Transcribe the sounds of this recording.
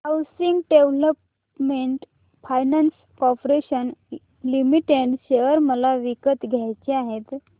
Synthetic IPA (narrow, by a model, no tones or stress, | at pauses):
əwsiŋɡɖeʋləp | meɳʈ | fajnans | kɔpɾeɕən | limiʈeɖɕeʋəɾməlaʋikət̪ɡʱjajt͡ɕeaɦet̪